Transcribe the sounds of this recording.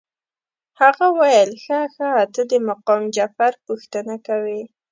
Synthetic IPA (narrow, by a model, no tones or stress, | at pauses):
haɣawajəlxaxaːt̪əd̪əmaqɔmd͡ʒafaɾpuxt̪ənakawi